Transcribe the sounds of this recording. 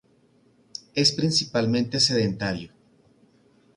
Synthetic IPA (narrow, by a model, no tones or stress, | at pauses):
e̞spɾinsipalmẽnt̪ese̞ðent̪aɾjo